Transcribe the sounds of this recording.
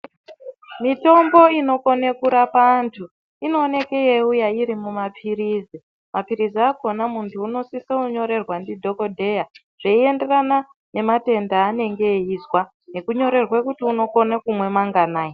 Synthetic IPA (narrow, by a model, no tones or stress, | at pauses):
mito̞mbo̞ino̞ko̞nekuɾapantʰu | ino̞ːne̞kejeujaiɾimumapʰirizi | mapiɾiziako̞namuntʰuːno̞siseuɲo̞ɾe̞rwandidʱo̞ko̞dʱe̞ja | ʐ̥eie̞nde̞rana | ne̞mate̞ndaːne̞ŋɡe̞izwa | ne̞kuɲo̞ɾe̞rwekutiuno̞ko̞nakumwe̞maŋɡanaːji